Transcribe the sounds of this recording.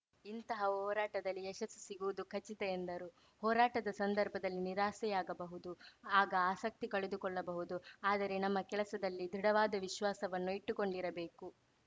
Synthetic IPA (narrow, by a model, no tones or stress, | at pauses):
int̪ɐɦɐɦɔːɾaːʈɐd̪ɐlːiɛʃɐsi̥siɡuʋud̪ukʰɐt͡ʃːit̪ɛend̪ɐɾu | hɔːɾaːʈɐd̪ɐsɐnd̪ɐɾbʱɐd̪ɐlːiniɾaːsɛjaːɡɐbɐɦud̪uaːɡɐaːsɐk̚t̪ikɐɭed̪ukɔɭːɐbɐɦud̪uaːd̪ɐɾe̞nɐmːɐkɛlɐsɐd̪ɐlːid̪ɾiɽɐʋaːd̪ɐʋiʃʋaːsɐʋɐnːuiʈːukoɳɖiɾɐbe̞ːku